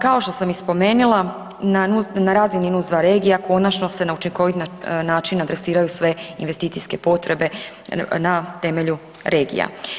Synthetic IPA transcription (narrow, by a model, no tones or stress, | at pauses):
kao̞ʃt̪o̞samispo̞me̞ːnulˠa | nanunaɾazininuzʋaɾe̞ːɡijako̞nat͡ʃno̞se̞naut͡ʃiŋko̞ʋit̪nnaːt͡ʃinad̪ɾe̞siːɾajusʋe̞inʋe̞st̪iːt̪sijske̞po̞t̪ɾe̞be̞ | nat̪e̞me̞ʎu | ɾʔe̞ːɡḭja̰